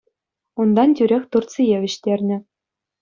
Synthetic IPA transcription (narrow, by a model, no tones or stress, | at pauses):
und̪ɑntʲyɾʲexʲt̪urt̪t͡sijeʋʲɘ̆ɕt̪ʲerʲnʲɘ̆